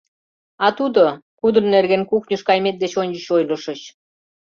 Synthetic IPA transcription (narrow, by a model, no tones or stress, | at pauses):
ɑt̪ud̪okud̪ə̆nːerɣenkuknʲəʃkɑjmet̪̚d̪et͡ɕonʲd͡ʑəɕojlə̆ʃə̆ɕ